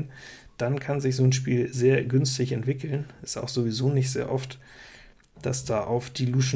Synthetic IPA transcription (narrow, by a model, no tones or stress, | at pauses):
n | d̥ankʰanzɪçz̥oːnʃpiːlzeːɐɡʏnstɪçɛntv̥ɪkʰl̩nɪsta̰ʊxz̥ovizoːnɪçtz̥ḛːɐʔɔft | d̥asd̥aːʔaʊfd̥iːluːʃ